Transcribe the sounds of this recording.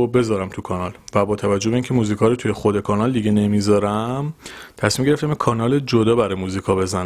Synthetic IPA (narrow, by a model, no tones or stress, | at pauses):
be̞zɒːɾæmt̪ʰukʰɒːnɒlvæbɒːt̪ʰævæd͡ʒːobeiːncʰe̞muːziːkʰɒːɾot̪ʰujexod̪e̞kʰɒnɒld̪iɡene̞mizɒːɾæmt̪ʰæsmiːmɟeɾeft̪æmekʰɒːnɒːled͡ʒod̪ɒːbæɾɒːjmuːzikʰɒːbe̞zæn